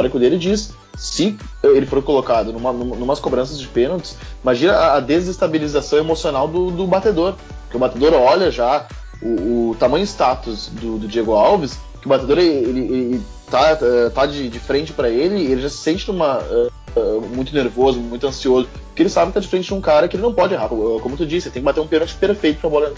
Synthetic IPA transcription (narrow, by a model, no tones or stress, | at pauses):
ɔɾɐkɪʊd̪elɪd͡ʒis | sɪ | ɛelɪfoɾkolokad̪ʊnũmɐnũmɐnũmɐskobɾɐ̃sɐzd͡ʒɪpenot͡ʃ̪ɪ̥simaʒĩnɐaːd̪ezest̪abilizasɐ̃w̃emosionawd̪ʊd̪ʊbat̪ed̪oɾ | pʊɾkɪʊbat̪ed̪oɾɔʎɐʒa | ʊːt̪amɐ̃j̃ʊɪst̪at̪ʊsd̪ʊd̪ʊd͡ʒieɡʊawvɪs | kɪʊbat̪ed̪oɾeelɪeɪɪ | t̪aɛt̪ad͡ʒɪd͡ʒɪfɾẽnt͡ʃɪ̥pɾɐelɪelɪʒasɪ̥sẽnt͡ʃɪnũmɐɛ | ɛmũj̃t̪ʊneɾvozʊmũj̃t̪ʊɐ̃siozʊ | pʊɾkɪelɪsabɪt̪ad͡ʒɪ̥fɾẽnt͡ʃɪd͡ʒũkaɾɐkɪelɪnɐ̃w̃pɔd͡ʒɪeɦakoɛkomʊt̪ud͡ʒisɪelɪt̪ẽkbat̪eɾũpẽnot͡ʃɪ̥peɾfejt̪ʊpɾɐbɔlɐẽnt̪a